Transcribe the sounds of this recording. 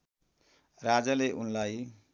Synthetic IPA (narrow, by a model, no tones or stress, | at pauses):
rad͡zaleʔunlaj